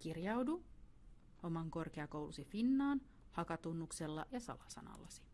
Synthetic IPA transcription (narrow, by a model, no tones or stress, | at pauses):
kirjɑwdu | o̞mɑŋko̞rkeɑkowlusifinːɑːn | hɑkɑt̪unːukselːɑ̰ʔjɑsɑ̰lɑsɑ̰nɑ̰lːɑsi̥